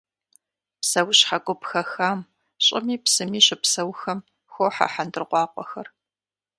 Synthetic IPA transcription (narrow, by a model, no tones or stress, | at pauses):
psɐwɕħaɡʷʼʊpxɐxaːm | ɕʼɪmiːpsɨmiːɕɪpsɐwxɐm | xʷoːħa̰ħandɨrqʷɑːqʷʼɔxɐr